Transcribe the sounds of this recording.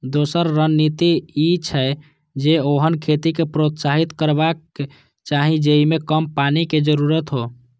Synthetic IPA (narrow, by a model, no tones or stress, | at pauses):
d̪osəɾːənːit̪iːt͡ʃʰɛ | d͡ʒeoɦənkʰet̪ikepɾot̪saɦit̪kəɾbake | t͡ʃaɦĩd͡ʒeimekəmpaniked͡ʒəɾuɾət̪ɦo